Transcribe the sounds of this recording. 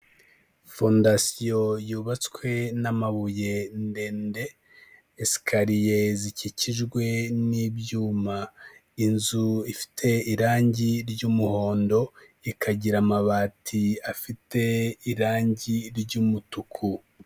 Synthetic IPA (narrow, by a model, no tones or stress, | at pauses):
fondasijo̞juːβat͡skwe̞namaβuje̞nde̞ːnde̞ː | si̥kʰaɾije̞ziciciʒɡwe̞nibjuːma | inzuifi̥tʰe̞iɾaːɲɟiɾɟuːmuho̞ːndo̞ | ikʰaɟiɾamaβaːtʰiafite̞iɾaːɲɟiɾɟuːmutukʰu